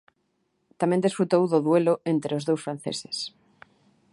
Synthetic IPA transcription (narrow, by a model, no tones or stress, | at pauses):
t̪amẽnd̪isfɾut̪owðoðweloʔent̪ɾeozðowsfɾanθḛse̥s